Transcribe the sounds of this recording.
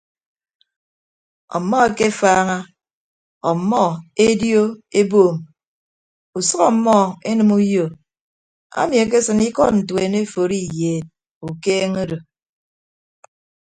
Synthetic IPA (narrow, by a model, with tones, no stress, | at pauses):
ɔ̰˨mːɔ˦e˨ke˦faː˦ŋa˦ | ɔ˨mːɔ˦e˦djo˦e˦boː˦˨m | u˨sʌ˦ɣɔ˦mːɔ˦˨e˦nɨ˨mu˦jo˨ | a̰˦mi˨e˨k̬e˦sɨ˨ni˦kɔ˦t̚n̩˨twe˨ne˦fo˨ɾi˦jeː˨t̚ | u˨keː˦ŋo˦ɾo˨